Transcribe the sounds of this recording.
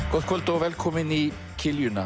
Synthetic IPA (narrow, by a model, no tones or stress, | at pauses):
ɡ̥ɔt̪kʰɔld̪ɔʋɛlkʰɔməni | kʰɪljʉna